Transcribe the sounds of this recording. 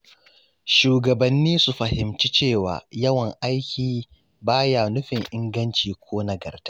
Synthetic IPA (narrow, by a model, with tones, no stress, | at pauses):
ʃuː˨ɡɐ˨bɐ˨nːiː˦su˨ɸɐ˨hɪ˨mt͡ʃi˦t͡ʃeː˦˨wa̰ː˨jɐ˦wɐ˨ŋʔa˦jkʲiː˨ | baː˦jaː˨nʊ˦ɸɪ˨ŋʔɪ˦ŋɡɐ˦nt͡ʃiː˨kʷʰoː˦nɐ˦ɡɐ̰˨rtḁ˦ʔ